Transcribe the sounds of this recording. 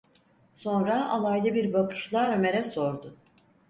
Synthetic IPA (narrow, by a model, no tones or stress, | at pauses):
so̞nɾaalˠajlˠɯbiɾbakɯ̥ʃlˠaːø̞me̞ɾɛso̞ɾd̪ʊ